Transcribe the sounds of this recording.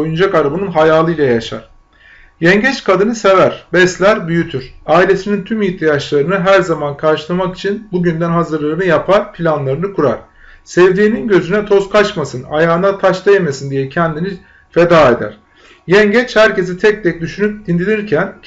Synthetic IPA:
ojund͡ʒakaɾabanɯnɦajaːlˠɯjlʲˠajaʃa̰ɾ̥ | jɛɲɟɛt͡ʃkʰad̪ɯnɯse̞væɾ̥bɛslʲæɾbyjyt̪ʰyɾ̥aːilʲe̞sinint̪ʰymiçt̪ʰijat͡ʃlˠaɾɯnɯɦæɾzamankʰaɾʃɯlˠamaki̥t͡ʃʰinbuɟynd̪ænɦazɯɾlˠaɾɯnɯjapʰaɾpʰilʲanlˠaɾɯnɯkʰuɾa̰ɾ̥ | sɛvd̪iːninɟø̞zynɛt̪ʰo̞skʰat͡ʃmasɯna̰jaːɯnat̪ʰaʃt̪ˠajemesind̪ijɛcʰɛnd̪ini | fe̞d̪aːe̞d̪æ̰ɾ̥ | jɛɲɟɛt͡ʃhæɾcez̬it̪ʰɛc̚t̪ʰɛc̚d̪yʃynyp̚d̪ind̪ilʲiɾcʰæn

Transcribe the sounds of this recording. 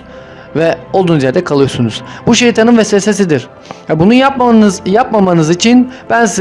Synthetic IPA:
vɛolˠd̪uːnuzjæɾd̪ɛkʰalˠɯjo̞sunuz̥buʃejt̪ʰanɯnvɛseses̬id̪iɾ̥ | vɛbununjapmnzjapmamanɯzit͡ʃʰinb̥ænsi

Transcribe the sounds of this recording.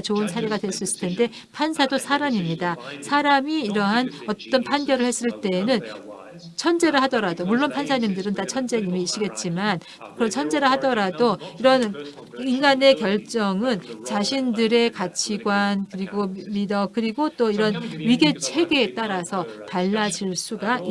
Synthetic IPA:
t͡ɕoɯnsʰaɾe̞ɡadwe̞ɭs͈uis͈ɯ̥tʰe̞nde̞ | pʰansʰadosʰaɾamimɲidasʰaɾamiːɾʌɦanʌt͈ʌnpʰanɡjʌɾɯɭhe̞s͈ɯɭt͈e̞ːnɯn | t͡ɕʰʌnd͡ʑe̞ɾɯɭɦadʌɾadomuɭːonpʰansʰaɲimdɯɾɯntat͡ɕʰʌnd͡ʑeŋimiːɕ͈iɡe̞t̚t͡ɕ͈iman | kɯɾʌnt͡ɕʰʌnd͡ʑe̞ɾɯɭɦadʌɾadoiɾʌn | iŋɡane̞kjʌɭt͡ɕ͈ʌŋɯnt͡ɕaɕʰindɯɾe̞kat͡ɕʰiɡwankɯɾiɡomidʌkɯɾiɡot͈oiɾʌnɥiɡe̞t͡ɕʰwe̞ɡeːt͈aɾasʰʌtaɭːad͡ʑiɭs͈uɡai

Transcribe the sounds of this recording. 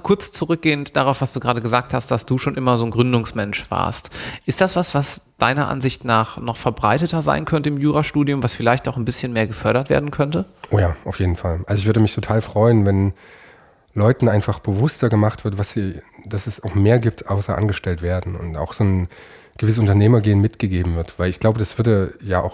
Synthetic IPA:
kʰʊɐt͡st͡suʁʏk̚ɡ̥eːəntd̥aʁaʊfv̥asd̥uːɡʁaːdəɡəzaːk̚thast̚d̥asd̥uːʃoːnʔɪmɐzoːnɡʁʏndʊŋsmɛnʃv̥a̰ːɐstʔɪstd̥asv̥asv̥asd̥aɪnɐʔa̰nzɪçtnaːχnɔχfɛɐbʁa̰ɪtətɐza̰ɪnkʰœntəɪmjuːʁaʃtuːdijʊmvasfɪlaɪçtaʊxnbɪsçənmeːɐɡəfœɐɾɐtvḛːɐdn̩kʰœntəʔoːjaːʔaʊfjeːdn̩falʔalzoɪçv̥ʏɐdəmɪçtʰotʰaːlfʁ̥ɔʏənvɛn | lɔʏtn̩ʔaɪnfaχb̥əvʊstɐɡəmaχtv̥ɪɐtvasz̥iːd̥asɛsaʊxmeːɐɡiːp̚tʰʔaʊsɐʔa̰nɡəʃtɛltv̥eːɐdn̩ʊ̰nta̰ʊxz̥oːn | ɡ̥əvɪsəsʊntɐneːmɐɡeːənmɪtɡ̥əɡeːbm̩vɪɐtv̥aɪlɪçɡ̥laʊbədasv̥ʏɐdəjaːʔa̰ʊx

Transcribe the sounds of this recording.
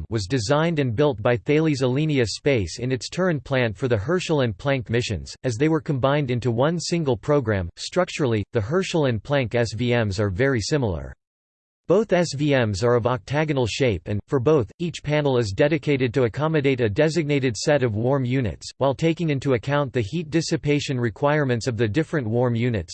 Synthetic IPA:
wʌzdɨzãɪ̃ndɨ̃nbɪlˠt̚b̥aɪθeɪlˠizəlĩniɨspeɪsɨ̃nɨtstʰɜ̃˞npʰl̥æ̃ntfə˞ðɨɦɜ˞ʃl̩ˠɨ̃npʰl̥æ̃ŋkmɪʃɨ̰̃nz̥ɨzðeɪwə˞kʰɨ̃mbãɪ̃ndɪ̃ntuwʌ̃nsɪ̃ŋɡl̩ˠpʰɹ̥oʊɡɹæ̰̃mstɹ̥ʌk̚t͡ʃə˞l̩ˠiðɨɦɜ˞ʃl̩ˠɨ̃npʰl̥æ̃ŋkɛsviɛ̃mzə˞vɛɹisɪ̃ml̩ˠə̰˞ | b̥oʊθɛsviɛ̃mzə˞ʌvɑk̚tʰæɡɨnl̩ˠʃeɪpɨ̃nfə˞boʊθit͡ʃpʰænl̩ˠɨzdɛɾɨkʰeɪɾɨd̚tɨɨkʰɑmɨdeɪɾɨdɛzɨɡ̚neɪɾɨdsɛɾʌvwɔɹmjʉnɨ̰tswaɪlˠtʰeɪkɪ̃ŋɪ̃ntuɨkʰãʊ̃nðɨhit̚d̥ɪsɨpʰeɪʃɨ̃nɹɨkʰw̥aɪəɹmɨ̃ntsʌvðɨdɪfɹɨ̃nʔwɔɹmjʉnɨ̰ts

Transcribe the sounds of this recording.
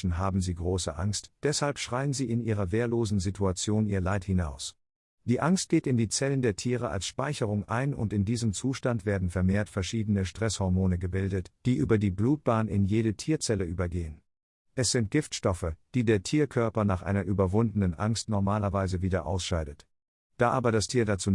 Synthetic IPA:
n̩ɦaːbm̩ziːɡʁoːsəʔa̰ŋstd̥ɛshalpʃʁ̥aɪənziːɪnʔiːʁ̞ɐveːɐloːzn̩zitʰuat͡sjoːniːɐlaɪthɪnaʊs | d̥iːʔaŋst̚ɡ̥eːtɪndiːt͡sɛləndeːɐtʰiːʁ̞əa̰lsʃpaɪçəʁ̞ʊŋʔa̰ɪnʊ̰ntɪndiːzəmt͡suːʃtantv̥eːɐdn̩fɛɐmeːɐtfɛɐʃiːdənəʃtʁ̥ɛshɔʁmoːnəɡəbɪldətd̥iːʔyːbɐdiːbluːt̚b̥aːnɪ̰njeːɾətʰiːɐt͡sɛləʔyːbɐɡeːən | ʔɛsz̥ɪnt̚ɡ̥ɪftʃtɔfəd̥iːdeːɐtʰiːɐkʰœɐpɐnaːχʔa̰ɪnɐʔyːbɐvʊndənənʔa̰ŋstnɔɐmaːlɐvaɪzəviːdɐʔa̰ʊsʃaɪdət | d̥aːʔaːbɐɾastʰiːɐdat͡suː

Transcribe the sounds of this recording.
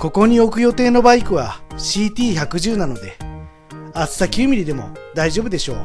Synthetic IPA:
ko̞ko̞ɲ̟io̞kɯ̟jo̞t̪e̞ːno̞baikɯ̟β̞aɕiːt̪ʲiːçakɯ̟ʑɨːnano̞d̪e̞ | at͡sɨ̥sakʲɨːmʲiɾʲid̪e̞mo̞̰d̪aiʑo̞ːbɯ̟d̪e̞ɕo̞ː

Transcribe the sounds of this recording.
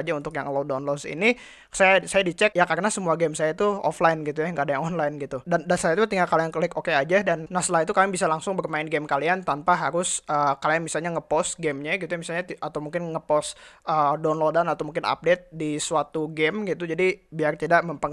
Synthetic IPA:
d͡ʒaunt̪ʊkja̰ŋlodanlɔdsḭni | sajasajadit͡ʃɛk̚jakaɾənasəmuaɡɛmsajait̪uɔ̰flaɪnɡit̪ujaŋɡaːdajaŋɔnlajnɡit̪udandansajait̪ut̪iŋɡakaliankəlɪkokead͡ʒadanːaslait̪ukamɪbisalaŋsʊŋbərmaɪnɡɛmkaliant̪anpaɦaɾʊsʔəkalianmisalɲaŋəpɔsɡɛmɲaɡit̪ujamisalɲat̪ʔat̪awmuŋkɪnŋəpɔsədonlodanat̪awmuŋkɪna̰p̚det̪̚disuat̪uɡɛmɡit̪ud͡ʒadibiart̪idaməmpə

